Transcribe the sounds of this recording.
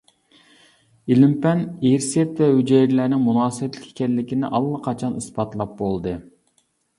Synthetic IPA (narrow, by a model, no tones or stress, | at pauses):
ilɪmpɛneɾsɛt̪vɛhyd͡ʒɛjɾlæɾnɪŋmunɑːsɨbɛt̪lɪkʰʲkʲɛlːɪkʲinɪ̰ʔɑlˠːɑqʰɑt͡ʃʰɑnɨsbɑt̪lˠɑp̚bolˠd̪ɨ